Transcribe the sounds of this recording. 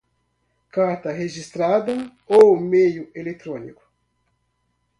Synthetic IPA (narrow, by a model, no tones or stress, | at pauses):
kaɾt̪ɐɦeʒist̪ɾad̪ɐowmejʊelet̪ɾõnikʊ̥